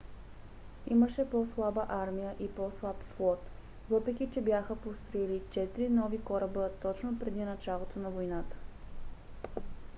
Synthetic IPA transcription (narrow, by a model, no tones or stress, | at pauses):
iməʃɛpɔslˠabəʔaɾmijəʔipɔslˠapflˠɔt̪ | vɤpɾɛkʲit͡ʃɛbjaxəpost̪ɾoilit͡ʃɛt̪iɾinɔvikɔɾəbət̪ɔt͡ʃnopɾɛd̪inɐt͡ʃalˠot̪onɐvojnat̪ə̥